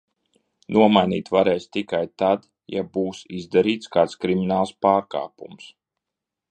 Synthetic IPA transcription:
nuɔmajniːt̪vaɾɛːst̪ikajt̪ad̪ | ja̰buːsizd̪aɾiːt̪skaːt̪skɾiminaːlˠspaːɾka̰ːpums

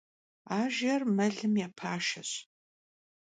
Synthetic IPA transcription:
aːʒɐrmɐɮɨmjaːpʰaːʃɐɕ

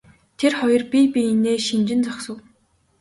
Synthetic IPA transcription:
t̪ʰerχɔjɞ̆rpʲipʲiineːʃint͡ɕɪ̆nt͡sɔksə̆w

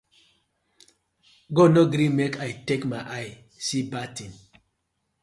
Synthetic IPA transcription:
ɡonɔɡɾimekʰajtekmaɪʔaj | sibatĩn

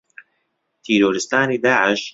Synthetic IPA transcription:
t̪ʰiːɾoːɾɪst̪aːniːd̪aːʕɪʃ

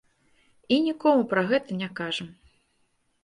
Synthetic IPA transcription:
inʲikɔmupɾɐɣɛt̪ɐnʲakaʐɐm

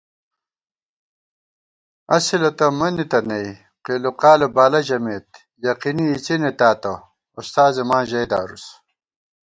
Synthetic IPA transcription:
ɐsilɐt̪ɐmɐnit̪ɐnɐj | qeːluqaːlebaːlɐʑɐmeːt̪̚ | jɐqiniːt͡sinet̪aːt̪ɐ | ust̪aːzemãːʑɐjd̪aːɾus

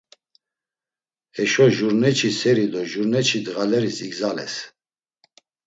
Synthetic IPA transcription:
hɛʃɔʒuɾnɛt͡ʃʰisɛɾid̪ɔʒuɾnɛt͡ʃʰid̪ɣalɛɾisiɡzalɛ̰s

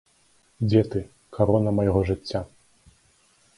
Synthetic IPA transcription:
d͡zʲɛt̪ɨ | kaɾɔnɐmɐjɣɔʐɨt͡sʲːa

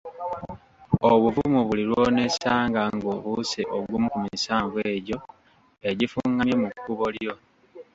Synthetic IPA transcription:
oβuvumuβuliɾwo̞ne̞saːŋɡaŋɡoβuseʔoɡumukumisaːɱvweːɟo̞ | e̞ɟifuŋɡamje̞mukːuβo̞ljo̞

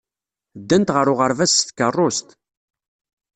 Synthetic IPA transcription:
d̪ːænt̪ʁəɾʊʁəɾvæsθkərˤːost̪

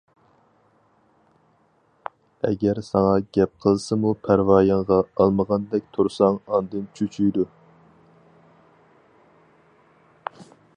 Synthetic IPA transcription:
ɛ̰ɡʲɛɾsɑŋɑɡʲɛp̚qʰəlˠsɨmupʰæɾvɑːjɑɴʁɑɑlˠməʁɑnd̪ɛk̚ʲt̪ʰuɾsɑŋɑnd̪ɨnt͡ʃʰyt͡ʃʰyjd̪u

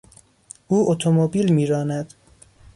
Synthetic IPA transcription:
ʔuːʔot̪ʰomobiːlmiːɾɒːnæd̪̥

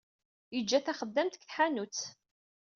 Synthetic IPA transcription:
jəd͡ʒːæθæχəd̪ːæmt̪kħanut͡s

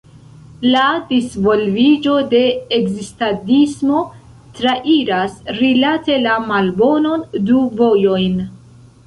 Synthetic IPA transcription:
ladisvo̞lvid͡ʒo̞de̞ːkzistadismo̞ | tɾaʔiɾasɾilate̞lamalbo̞no̞nduvo̞jo̞jn

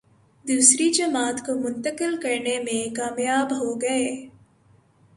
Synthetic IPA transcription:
d̪uːsɾid͡ʒɐmaːt̪komʊ̃nt̪əkɪlkɐɾnemẽkaːmjaːbɦoɡɐeː

